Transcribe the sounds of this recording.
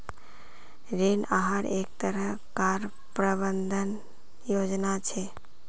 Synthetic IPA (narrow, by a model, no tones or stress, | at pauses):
ɾenaɦaɾek̚t̪əɾəɦ | kaɾ | pɾəbənd̪ʱən | jod͡ʒnat͡ʃʰe